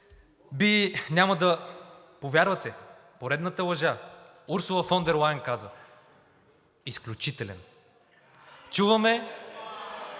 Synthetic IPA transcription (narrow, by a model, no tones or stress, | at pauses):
binʲamɐd̪ɐ | povʲjaɾvɐt̪ɛpoɾɛd̪nət̪əlˠɐʒa | uɾsʊlˠɐfɔnd̪ɛɾlˠajnkazə | isklʲut͡ʃit̪ɛlɛ̰n | t͡ʃuvɐmɛ